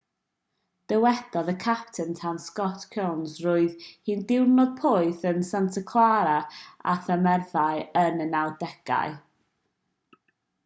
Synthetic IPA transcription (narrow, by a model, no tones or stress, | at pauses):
d̥əwɛd̥ɔðəkʰap̚tʰəntʰanskɔtkʰawnsrʊːɨðhiːndɪwnɔd̥̚pʰʊɨθənsantʰəkʰwaɾaa̰θəmɛrθaɨənənawdɛɡ̥a̰ɨ